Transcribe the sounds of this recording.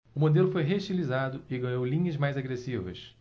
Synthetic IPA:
ʊmod̪elʊfojɦeuʃt͡ʃilizad̪ʊɪɡɐ̃ɲowlĩɲɐzmajzaɡɾesivɐ̰s

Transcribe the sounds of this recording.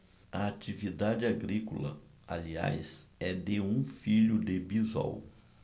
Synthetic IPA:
ɐat͡ʃivid̪ad͡ʒɪaɡɾikʊlɐ̰ | alia̰jsɛd̪eũfiʎʊd̪ɪbiza̰w

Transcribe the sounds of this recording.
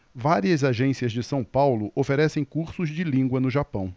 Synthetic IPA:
vaɾiɐzaʒẽsiɐzd͡ʒɪsɐ̃w̃pawlʊʔofeɾɛsẽj̃kuɾsʊzd͡ʒɪlĩɡwɐnʊʒapɐ̃w̃

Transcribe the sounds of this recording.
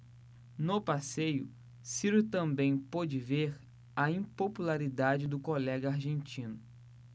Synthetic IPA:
nopasejʊ̰ | siɾit̪ɐ̃mbẽj̃pod͡ʒɪveɾ | ɐĩpopulaɾid̪ad͡ʒɪd̪ʊkolɛɡɐaɾʒẽnt͡ʃĩnʊ

